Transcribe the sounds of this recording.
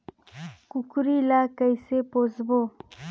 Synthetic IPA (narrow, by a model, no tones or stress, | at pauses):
kukɾilakəjsepozbo